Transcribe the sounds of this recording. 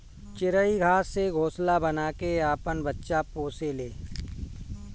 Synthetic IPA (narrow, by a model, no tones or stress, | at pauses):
t͡ʃɪɾəiɡʱaːsːeɡʱoːslabənaːkeaːpənbətːʃapoːseleː